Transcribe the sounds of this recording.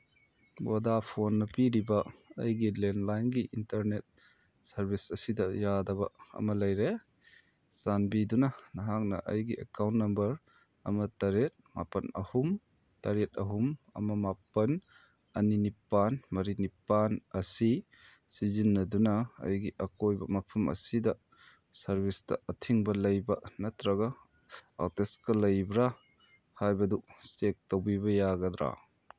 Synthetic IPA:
bodapʰonːɐpiɾibɐɐ̰jɡilenlajnɡiʔintɐɾnet̚ | sɐɾbisɐsidɐjadɐbɐ̰ɐ̰mɐlɐjɾe | sanbidunɐnɐɦak̚nɐ̰ʔɐ̰jɡiʔɐ̰kawntːɐmbɐɾ | ɐmɐtɐɾet̚ma̰pɐnɐ̰hum | tɐɾet̚ɐɦumɐ̰mɐmapɐn | ɐninipanmɐɾinipanɐsi | sizinːɐdunɐɐ̰jɡiʔɐkojbɐmɐpʰɐmʔɐ̰sidɐ | sɐɾbʱistɐ̰ɐtʰiŋbɐlɐjbɐnɐtɾɐɡɐ | a̰teskɐlɐjbɾa | hajbɐdusek̚towbibɐjaɡɐdɾa̰

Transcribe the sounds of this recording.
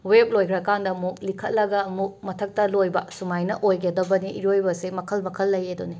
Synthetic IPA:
wep̚lojkʰɾɐkandɐmuk̚likʰɐt̚lɐɡɐmuk̚mɐtʰɐk̚tɐlojbɐsumajnɐ̰ʔojɡɐdɐbɐniʔiɾojbɐsimɐkʰɐlmɐkʰɐlːɐjedoni

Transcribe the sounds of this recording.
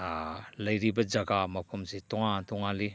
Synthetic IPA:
lɐjɾibɐd͡ʒaɡamɐpʰɐmsitɔŋatɔŋali

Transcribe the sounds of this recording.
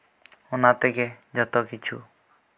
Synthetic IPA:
ʊnat̪ɛke | d͡ʒət̪ɔkit͡ʃʰṵ

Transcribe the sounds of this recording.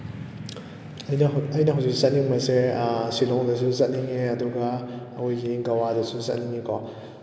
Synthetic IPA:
jɐjnɐɦawsikssat̚niŋmasesilɔŋdɐs̬ʰuzɐt̚niŋeɐduɡaː | wujɡiɡɐwadɐsʰuzat̚niŋikʰɔ

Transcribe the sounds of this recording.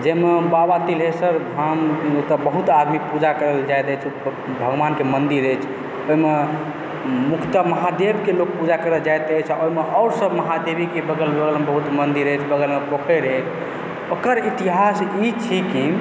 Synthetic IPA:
d͡ʒemebabat̪ilesəɾdʱamt̪əbəɦut̪ad̪mikpud͡ʒakəɾəld͡ʒajt̪ət͡ʃʰ | bʱəɡʋankemənd̪iɾət͡ʃʰ | oime | mukʰt̪əməɦad̪ebkelok̚pud͡ʒakəɾəld͡ʒajt̪ət͡ʃʰaoɦimeʔɔʊɾsəbməɦad̪ebʱikebəɡəlbəɡəlmebəɦut̪mənd̪iɾəjt͡ʃʰbəɡəlmepokʰeɾəɛt͡ʃʰ | okəɾit̪iɦasit͡ʃʰiki

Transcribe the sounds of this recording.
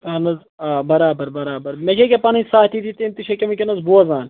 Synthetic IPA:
ɐnɐz | aːbɐɾaːbɐɾbɐɾaːbɐɾmekʲek̬ʲepɐnɐnʲsaːt̪it̪it̪emt̪iʃɐkʲɐmɐkʲɐnɐzboɐzaːn

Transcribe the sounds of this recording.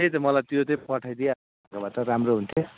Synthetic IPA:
et̪ʌmʌlajt̪jot̪ʌpʌʈʰajd̪ija | kabat̪ʌɾamroɦunt̪ʰo

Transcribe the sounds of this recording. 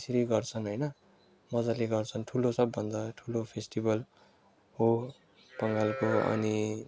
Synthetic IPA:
sɾiɡʌrt͡sʰʌnɦojnʌ | mʌd͡zaleɡʌrt͡sʰʌnʈʰulosʌbːʌnd̪aʈʰulopʰesʈibʱʌl | ɦo | pʌŋɡalkoʌ̰ni

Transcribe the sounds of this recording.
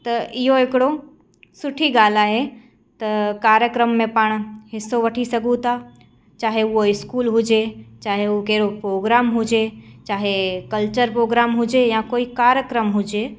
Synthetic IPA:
t̪ɐʔɪɦoekɽo | sʊʈʰiɡaːlaɦe | t̪ɐkaːɾjəkɾəmːẽpəɽ̃ɦɪsoʋɐʈʰisɐɡũt̪a | t͡ʃaːɦeʊoɪskuːlɦʊd͡ʒet͡ʃaːɦeukeːɾopɾoːɡɾaːmɦʊd͡ʒet͡ʃaːɦekɐlt͡ʃəɾpɾoːɡɾaːmɦʊd͡ʒejãkoːikaːɾjəkɾəmɦʊd͡ʒe

